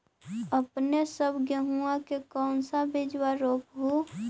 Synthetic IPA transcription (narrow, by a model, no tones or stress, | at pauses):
əpnesəbɡjəɦuãkekɔːnsabɪd͡ʒwaɾoːpɦo